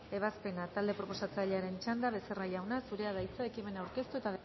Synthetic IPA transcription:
e̞β̞aspe̞nat̪ald̪e̞pɾopo̞sat͡saʎaɾe̞nt͡ʃand̪aβe̞seraʎawnasuɾe̞aðajt͡saekime̞nawɾke̞st̪ue̞t̪að

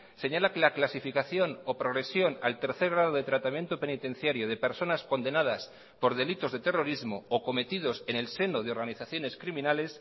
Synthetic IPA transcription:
se̞ɲalakelaklasifikaθjo̞nopɾo̞ɣɾe̞sjo̞nalt̪e̞ɾθe̞ɾɣɾað̞o̞ðe̞t̪ɾat̪amje̞nt̪ope̞nit̪e̞n̟θjaɾjoð̞e̞pe̞ɾso̞nasko̞nd̪e̞nað̞as | po̞ɾð̞e̞lit̪o̞zðe̞t̪e̞ro̞ɾizmoːko̞me̞t̪ið̞o̞se̞nelse̞noð̞eo̞ɾɣaniθaθjo̞ne̞skɾimĩnale̞s

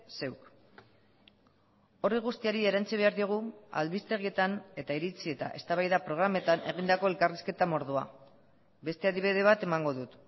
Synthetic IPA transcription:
se̞wk | o̞riɣ̞ust̪iaɾie̞ɾant͡siβ̞e̞aɾðio̞ɣ̞ua̰ðβist̪e̞ɣie̞t̪ane̞t̪aiɾit͡sie̞t̪a̰ʔe̞st̪aβajðapɾo̞ɣ̞ɾame̞t̪ane̞ɣind̪ako̞e̞lkariske̞t̪amo̞ɾð̞ua | be̞st̪e̞aðiβ̞iðe̞β̞at̪e̞maŋɡo̞ðut̪

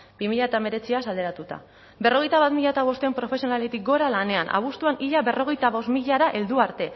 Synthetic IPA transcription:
bimiʎat̪ame̞ɾe̞t͡siasald̪e̞ɾat̪ut̪a̰ | be̞ro̞ɣ̞e̞jt̪aβat̪miʎat̪aβ̞o̞st̪empɾo̞fe̞sio̞nalet̪ik̚ɡo̞ɾalane̞anʔa̰β̞ust̪uaniʎaβe̞ro̞ɣe̞jt̪aβo̞st̪miʎaɾaʔe̞ld̪uaɾt̪e̞

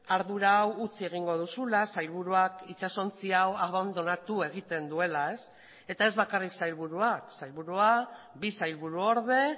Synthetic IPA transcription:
aɾðuɾawut͡sie̞ɣ̞iŋɡo̞ð̞usulasajlβuɾuakit͡saso̞nt͡siawaβand̪o̞nat̪ue̞ɣ̞it̪e̞nd̪ue̞lae̞s | e̞t̪ae̞zβakariksajlβuɾuaksajlβuɾua | bisajlβuɾuo̞ɾðe̞

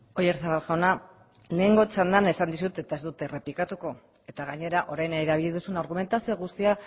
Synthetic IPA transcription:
o̞je̞ɾsaβalʝaona | le̞ːŋɡo̞et͡sand̪ane̞sand̪isut̪e̞t̪aezd̪ut̪e̞re̞plikat̪uko̞ | e̞t̪aɣaɲe̞ɾaʔo̞ɾajnaeɾaβ̞iʎiðusunaɾɣ̞ume̞nt̪asioɣ̞ust̪ia

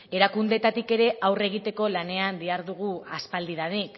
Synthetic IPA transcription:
e̞ɾakund̪e̞t̪at̪ike̞ɾe̞ʔawre̞ɣ̞it̪e̞ko̞lane̞and̪iaɾðuɣ̞uaspald̪iðanik

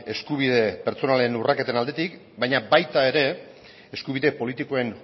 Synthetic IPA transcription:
e̞skuβ̞ið̞e̞pe̞ɾt͡so̞nale̞nurake̞t̪e̞nald̪e̞t̪ik | bajɲabajt̪ae̞ɾe̞ | eskuβ̞iðe̞po̞lit̪ikoe̞n

